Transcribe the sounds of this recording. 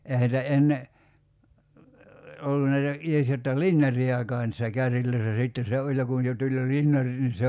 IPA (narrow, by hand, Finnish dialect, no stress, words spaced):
ehæ nitæ enːe olːu næitæ ies jotːɑ linjɑrˑiɑkɑː niːsːæ kærːilˑøisːæ sitːen̞ se olʲ jɑ kun̞ jo tulʲ jo linjɑrit nin̞ se